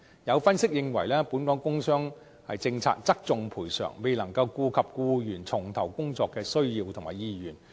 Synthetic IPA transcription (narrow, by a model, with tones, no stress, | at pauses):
jɐ˨˧wfɐ˥nsɪ˥k̚jɪ˨ŋwɐ̰˨˩jlɛː˥puː˨˥nkɔː˨˥kʊ˥ŋsœː˥ŋ | hɐ̰˨jt͡sɪ˧ŋt͡sʰa̰ː˧k̚t͡sɐ˥k̚t͡sʊ˨ŋpʰuː˨˩jsœ̰ː˨˩ŋme˨jlɐ˨˩ŋkɐ˧wkuː˧kʰɐ˨p̚kuː˧jyː˨˩nt͡sʰʊ˨˩ŋt̪ʰɐ˨˩wkʊ˥ŋt͡sɔː˨˧kːɛː˧sɵ˥ɥjiː˧wt̪ʰʊ˨˩ŋma̰ː˨˩jiː˧jyː˨˩n